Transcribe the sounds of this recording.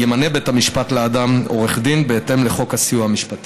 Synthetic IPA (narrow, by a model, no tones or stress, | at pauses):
jemane̞be̞thamiʃpatleadamo̞ʁeχd̪inbe̞et̪e̞mleχo̞khasijuhamiʃpat̪i